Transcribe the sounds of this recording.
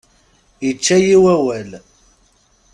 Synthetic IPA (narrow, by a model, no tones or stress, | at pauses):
jit͡ʃːæjiwæwæl